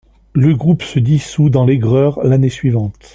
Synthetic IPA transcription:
ləɡʁupsəd̪isud̪ɑ̃leɡʁœːʁlanesɥivɑ̃t̪

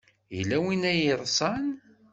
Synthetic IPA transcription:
jilːæwinæjəɾˤsˤɑn

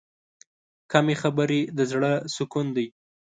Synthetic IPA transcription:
kamexabəɾed̪əzɽəsʊkund̪aj

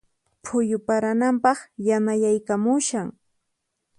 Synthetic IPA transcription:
pʰʊjʊpaɾanampɑχjanajajkamʊʃaŋ

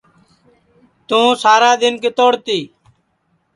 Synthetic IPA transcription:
t̪ũːsaːɾaːd̪ɪnket̪oːɽt̪iː

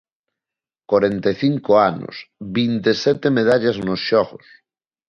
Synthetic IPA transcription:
kwaɾent̪eθiŋkoano̰sbint̪esɛt̪emeð̞aʎaznosʃɔɣos

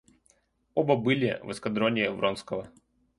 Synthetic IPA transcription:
obəbɨlʲɪvɨ̰skɐd̪ɾonʲɪjəvɾʔonskəvə

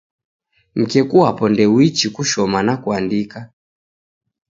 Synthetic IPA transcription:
m̩kɛkuapɔndɛwit͡ʃikuʃɔmanakuandika

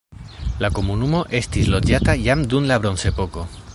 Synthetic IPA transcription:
lakomunumo̞ʔe̞st̪izlod͡ʒat̪ajamd̪unlaβ̞ɾonse̞poko

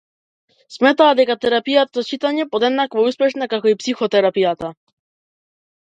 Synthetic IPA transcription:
smɛt̪aːd̪ɛkat̪ɛɾapijat̪azat͡ʃit̪aɲɛpod̪ɛd̪nakvɔuspɛʃnakakɔipsixɔt̪ɛɾapijat̪a

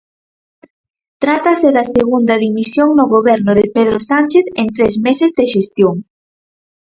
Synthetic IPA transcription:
t̪ɾat̪ɐseðɐseɣund̪ɐðimisjoŋnʊɣoβɛɾnʊðepeðɾosanʲt͡ʃeθent̪ɾezmesezðeʃest̪joŋ

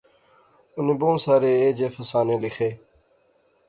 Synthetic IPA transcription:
ʊnibõːnsaːɾeːeːd͡ʑeːfɐsaːneːlixeː

